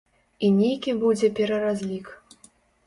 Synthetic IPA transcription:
inʲejkʲibud͡zʲɛpʲɛɾɐɾazʲlʲik

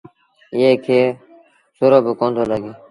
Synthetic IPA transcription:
ɪeːkʰeː | soɾoːbiːkõːnd̪ʱoːləɡeː

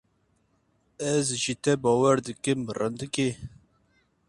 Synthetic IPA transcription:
ɛzʒit̪ɛbɑːwɛɾd̪ɨkɨmɨrɨ̰nd̪ɨke

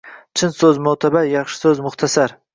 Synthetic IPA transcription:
t͡ʃʰɪnsɵzmawt̪ʰabajɑχʃɪ̥sɵzmʊχt̪ʰasaɾ

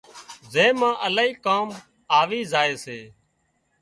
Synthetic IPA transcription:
zẽːmãːʔəlaːiːkaːm | aːʋiːzaːeːseː

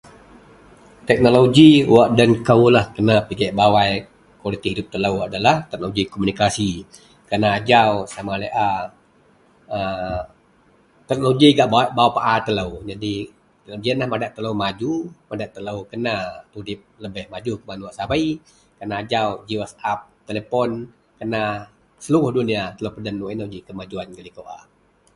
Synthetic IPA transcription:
t̪ɛk̚noloɡiwaʔdənkəwlahkənapəɡɛʔbawaj | kwalit̪ihɦidup̚t̪ələwadalaht̪ɛk̚noloɡikomunikasi | kənaːd͡ʒawsamaləjʔa | ə | t̪ɛk̚nloɡiɡaʔbaʔbawpaʔat̪ələwd͡ʒadi | d͡ʒiənlahmadaʔt̪ːələwmad͡ʒumadaʔt̪ːələwkənat̪udɪp̚ləbɪhmad͡ʒukəmanuaʔsabai | kənaːd͡ʒawd͡ʒiwəsap̚t̪elepɔn | kəna | səluɣʊhduniat̪ələwpədanːuɛnoɡikəmad͡ʒuanɡəlikoʔa

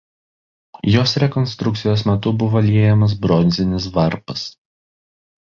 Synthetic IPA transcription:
joːsɾʲɛkɔnʲst̪ɾʊkt̪sʲɪjoːsmʲɛt̪ʊbʊʋɐlʲiɛjɛmɐs̬bɾɔnʲzʲɪnʲɪsʋɐɾpɐs

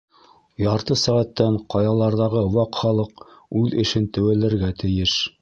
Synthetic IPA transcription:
jɑɾt̪ɤsæʁæt̪ːæɴqɑjɑlˠɑɾðɑʁɤwɑqχɑlˠɤqʉðɘ̆ʃɘnt̪ɘ̆wælɘ̆ɾɡæt̪ɘ̆jɘʃ

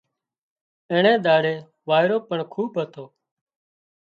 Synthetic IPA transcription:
ẽːɳẽːɗ̪aːɽeː | ʋaːɪɾoːpəɳkʰuːbɦət̪ʰoː

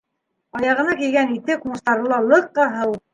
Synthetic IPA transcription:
ɑjɑʁɤ̆nɑkijɡænit̪ɘkumɤ̆st̪ɑɾɤ̆lˠɑlˠɤqːɑɦɤw̪ˠ

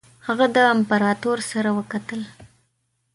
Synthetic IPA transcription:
haɣad̪əampaɾɑt̪oɾsaɾawəkat̪əl

